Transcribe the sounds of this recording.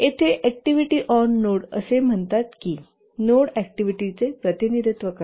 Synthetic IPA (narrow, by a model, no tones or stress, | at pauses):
et̪ʰeʔæk̚ʈiʋiʈiʔɔnːoɽə̰sem̤əɳt̪at̪ki | noɽɛkʈiʋiʈit͡sepɾət̪inid̪ʱit̪ʋəka